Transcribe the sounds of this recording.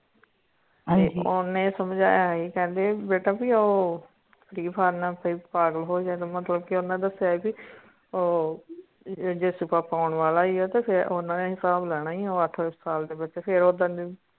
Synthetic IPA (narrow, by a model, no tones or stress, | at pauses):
eːʊnẽːsəmd͡ʒa̰ːaiːkɛ̃ːnd̪eːbeːʈaːbiːoː | pʰɾiːpʰaːɾnaːpiːpaːɡəlɦoːd͡ʒaːt̪amət̪ləb̚kɪʊnãːd̪əsːeaːeːpi | oː | d͡ʒeːsʊpaːpaːʊɳʋaːlaːiːoːt̪eːpʰɪɾonãːneːɦɪsaːblɛːɽ̃aːioːəʈʰoːɪksaːld̪eːbət͡ʃeːpʰɪɾoːd̪ãnd̪iː